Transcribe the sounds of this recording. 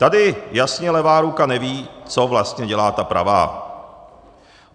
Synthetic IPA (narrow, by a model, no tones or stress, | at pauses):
t̪adɪjasɲɛlɛvaːɾukanɛviːt͡sovlast̪ɲɛɟɛlaːt̪apɾa̰va̰ː